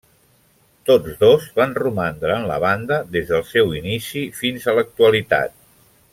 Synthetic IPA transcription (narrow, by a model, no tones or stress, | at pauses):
t̪od͡zðozβanrumand̪ɾəənlə̰β̞and̪əðezðəlˠsɛwinisifinzələk̚t̪uəlit̪a̰t̪̚